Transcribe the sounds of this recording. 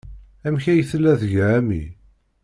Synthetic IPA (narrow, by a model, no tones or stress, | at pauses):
æmçæjθəlːæðʝæmḭ